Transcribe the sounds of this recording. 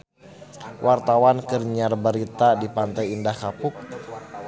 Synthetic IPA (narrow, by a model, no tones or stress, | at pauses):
wʔart̪awankərɲarbaɾit̪adipant̪ajindahkapʊk̚